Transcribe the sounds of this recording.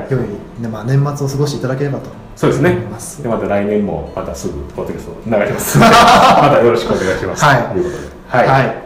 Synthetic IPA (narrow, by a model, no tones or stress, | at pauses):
joi | nemaːnẽ̞mːat͡sɨo̞sɨɡo̞ɕi̥t̪eit̪ad̪ake̞ɾe̞bat̪o̞̥ | soːd̪esɨnemasd̪emat̪aɾainẽ̞mːo̞̰mat̪asɨɡɯ̟pod̪ːokʲast̪onaɡat̪ʲemasɨ̥mat̪ajo̞ɾo̞ɕi̥kɯone̞ɡaiɕimasaiojɯ̟kot̪od̪ehaihai